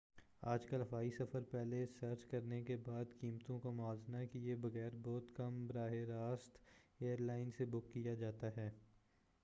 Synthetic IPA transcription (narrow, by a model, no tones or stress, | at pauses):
aːd͡ʒkɐlɦɐfaːisɐfəɾpɛːlesɐɾt͡ʃkɐɾnekebaːd̪kiːmt̪õkomʊaːznakijebɐɣɛːɾbɔːt̪kɐmbɾaːɦeɾaːst̪eːəɾlaːɪnsebʊkːijad͡ʒaːt̪aɦɛː